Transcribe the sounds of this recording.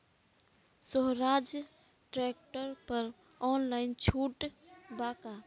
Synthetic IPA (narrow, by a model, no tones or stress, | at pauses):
soɦɾaːd͡ʒ | ʈɾɛk̚ʈəɾpəɾ | ɔːnlaːɪnt͡ʃʰuːʈbaːka